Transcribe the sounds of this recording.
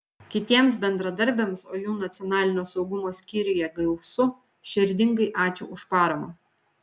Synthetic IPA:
kʲɪt̪ʲiɛms̬bʲɛnd̪ɾɐd̪ɐɾʲbʲemsoːjuːnɐt̪sʲɪjɔnɑːlʲɪnʲoːsɒʊɡʊmoːsʲkʲiːɾʲɪjɛɡɐʊsʊ | ʃʲɪɾʲd̪ʲɪŋɡɐɪʔɑːt͡ʃʲo̰ːʊʃpɑːɾɐmoː

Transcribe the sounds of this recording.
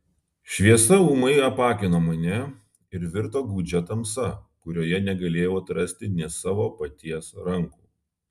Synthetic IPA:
ʃʲʋʲiɛsɐuːmɐɪɾɐpɑːkʲɪnoːmɐnʲɛ | ɪɾʋʲɪɾt̪oːɡuːd͡ʒʲɛt̪ɐmsɐkʊɾʲoːjɛnʲɛɡɐlʲeːjoːt̪ɾɐsʲt̪ʲɪnʲɛsɑːʋoːpɐt̪ʲiɛsɾɐŋkuː

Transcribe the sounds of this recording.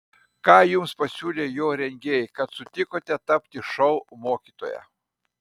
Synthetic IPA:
kɑːjʊmspɐsʲuːlʲeːjoːɾʲɛŋʲɡʲeːjkɐt̪sʊt̪ʲɪkoːt̪ʲɛt̪ɐpʲt̪ʲɪʃɔʊmoːkʲiːt̪o̰ːjæ̰

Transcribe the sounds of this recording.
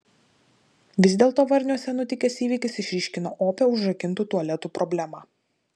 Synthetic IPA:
ʋʲɪzʲd̪ʲeːlˠt̪oːʋɐɾʲnʲuɔsʲɛnʊt̪ʲɪkʲesiːʋʲiːkʲɪsɪʃʲɾʲiːʃʲkʲɪno̰ːʔoːpʲɛʊʒɾɐkʲɪnˑt̪uːt̪uɔlʲɛt̪uːpɾɔbʲlʲæmɑː

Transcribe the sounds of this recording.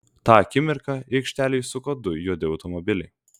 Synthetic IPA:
t̪ɑːkʲɪmʲɪɾkɑɛɪkʃʲt̪ʲæːlʲɪjsʊkɐd̪ʊjoːd̪ʲɪɐʊt̪ɔmɔbʲɪlʲɛ

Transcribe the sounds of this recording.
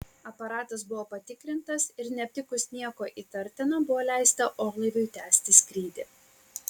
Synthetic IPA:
ɐpɐɾɑːt̪ɐs̬bʊʋoːpɐt̪ʲɪkɾʲɪnt̪ɐsɪɾnʲɛp̚ʲt̪ʲɪkʊsnʲiɛkoːʔiːt̪ɐɾʲt̪ʲɪnɐbʊʋoːlʲæˑɪst̪ɐʔoːɡlˠɐɪʋʲʊjt̪ʲæːsʲt̪ʲɪsʲkʲɾʲiːd̪ʲɪ

